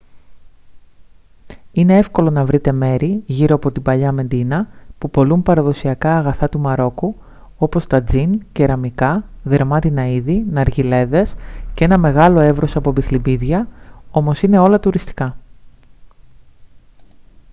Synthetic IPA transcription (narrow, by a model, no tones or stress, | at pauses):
ine̞e̞fko̞lo̞nɐvɾit̪e̞me̞ɾiʝiɾoɐpo̞t̪ibɐʎɐme̞nd̪inɐpupo̞lumpɐɾɐðo̞siɐkɐːɣɐθɐt̪umɐɾo̞ku | o̞po̞st̪ɐd͡zince̞ɾɐmikɐðe̞ɾmɐt̪inɐiðinɐɾʝile̞ðe̞scee̞nɐme̞ɣɐlo̞e̞vɾo̞sɐpo̞bixlibiðʝɐo̞mo̞sine̞o̞lɐt̪uɾist̪i̥kɐ